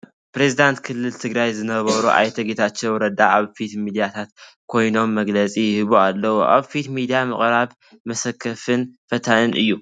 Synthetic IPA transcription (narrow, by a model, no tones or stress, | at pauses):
pɾezid̪ant̪kʰɨlːɨlt̪ʰɨɡɾajzɨnɐβɐɾuʔa̰jt̪ʰɐɡet̪ʰat͡ʃːewɾɐd̪aʔaβfit̪mid̪ijat̪ʰat̪ | kʰo̞jno̞mːɐɡlɐt͡sʼijɪhɨβualːɐwuʔa̰βfit̪mid̪ijamɨχʼɾaβ | mɐsɐkʰːɐfɨnfɐt̪ʰanɨnʔɨ̰jːu